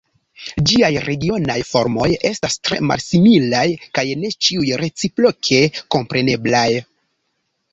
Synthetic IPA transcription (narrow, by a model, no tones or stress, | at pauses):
d͡ʒiajɾe̞ɡio̞najfo̞ɾmo̞je̞stastɾe̞̰ma̰lsimilajkajne̞t͡ʃiujɾe̞t͡sipɾokʰe̞ko̞mpɾe̞ne̞blaj